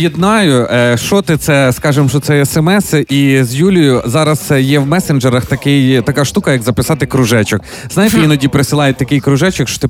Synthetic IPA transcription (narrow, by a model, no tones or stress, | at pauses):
jid̪nɑjʊʃɔt̪ɪt̪sɛskɑʒɪmʃɔt̪sɛɛsɛmɛsizjulʲʊjʊzɑɾɐz̥jɛwmɛsenʒeɾɐxt̪ɐkɪjt̪ɐkɑʃt̪ukɐjɐɡzɐpɪsɑt̪ɪkɾʊʒɛt͡ʃɐk | znɑjt̪ɛʋʲjinɐdʲipɾesʲɪlˠɑjɛt̚ʲt̪ɐkɪjkɾʊʒɛt͡ʃɐkʃt͡ʃɔ̥t̪ɪ